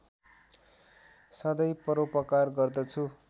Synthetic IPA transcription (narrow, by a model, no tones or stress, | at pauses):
sʌd̪ʌjpʌɾopʌkarɡʌrd̪ʌt͡sʰu